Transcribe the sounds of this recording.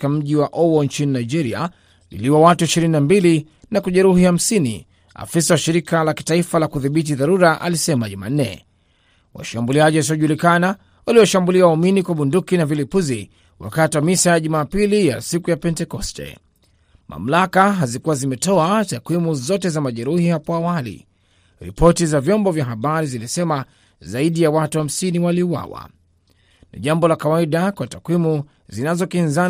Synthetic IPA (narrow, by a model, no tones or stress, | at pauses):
kam̩ʄiwaʔɔwɔnt͡ʃininaid͡ʒɛɾia̰ | lḭliwawatuiʃiɾininambili | nakuʄɛɾuhiham̩sinḭ | a̰fisawaʃiɾikalaki̥taifalakuðiɓit̬iðaɾuɾaʔa̰lisɛmaʄuma̰n̩nɛ̰ | wa̰ʃambuliaʄihas̬iɔʄulikana | waliɔʃambuliauminikwaɓundukinavilipuzi | wa̰katiwamisajaʄumaːpilija̰sikujapɛntɛkɔstɛ̰ | mʔa̰m̩lakaɦazikuwazimɛtɔatakwimuzɔtɛzamaʄɛɾuhihapɔawalḭ | ɾḭpɔtizavjɔmbɔvjaɦaɓaɾizilisɛma | zaiɗijawatuham̩siniwaliuwa̰wa̰ | nḭʄambɔlakawaiɗakwatakwimu | zinazɔkinza